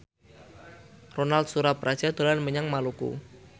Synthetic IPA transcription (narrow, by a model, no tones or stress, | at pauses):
ronalt̪̚suɾapɾʔḁʒ̥ad̪̥olanməɲaŋmalukṵ